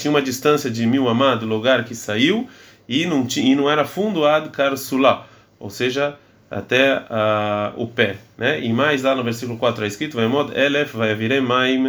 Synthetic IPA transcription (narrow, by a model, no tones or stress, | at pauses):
t͡ʃĩɲ̃ũmɐd͡ʒist̪ɐ̃nsjɐd͡ʒɪmiwamad̪ʊloɡaɾkɪsaiw | ɪnũt͡ʃĩɪnɐ̃w̃ɛɾɐfũnd̪uad̪ʊkaɾsula | o̰seʒɐ | a̰t̪ɛaʊ̰pɛnɛimajzlanʊveɾsikulʊkwat̪ɾʊaeskɾit̪ʊvajamɔd̪ɐʔelɛfvajaviɾemajm